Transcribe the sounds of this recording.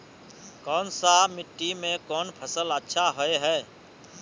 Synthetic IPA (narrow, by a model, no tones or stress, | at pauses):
kɔːnsamɪʈːimẽkɔːnpʰəsələtːʃʰaɦoeɦɛː